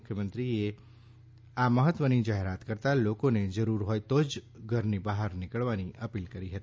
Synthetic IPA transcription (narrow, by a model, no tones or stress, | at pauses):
kʰjəmə̃nt̪ɾie | aməɦət̪ʋənid͡ʒaɦeɾat̪kəɾt̪alokoned͡ʒəɾuɾɦojt̪od͡ʒɡʱəɾnibaɦəɾnɪkəɭʋaniʔəpilkəɾiɦət̪i̥